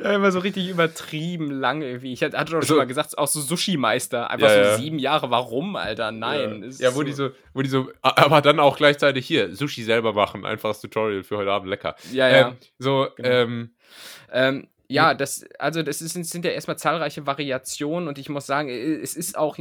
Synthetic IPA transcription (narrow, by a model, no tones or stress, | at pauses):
jaɪmɐzoːʁɪç̬tɪçʔyːbɐtʁ̥iːbm̩laŋʔɪɐɡŋ̩tv̥iːɪçahatədsaʊʃonmaːlɡəzaːktaʊxz̥oːzʊʃimaɪstɐʔa̰ɪnjfajoaziːbm̩jaːʁəvaʁʊmʔa̰ltɐnaɪnsjaːvoːdiːzoː | voːdiːzoːʔaʔaːbɐdanaʊxɡ̥laɪçt͡saɪtɪçhiːɐzʊʃizɛlbɐmaχn̩ʔa̰ɪnfaχstʰutʰɔʁiəlfyːɐhɔʏtəʔaːbm̩tlɛkɐ̰jaːjɛː | zo̥ːʔɛːm | ʔɛːm | jaːd̥asʔa̰lzodasɪsɪnz̥ɪntjaːʔeːɐtmaːlt͡saːlʁaɪçəvaʁiat͡sjoːnənʊntɪçmʊsz̥aːɡŋ̩ɛɛsɪsta̰ʊx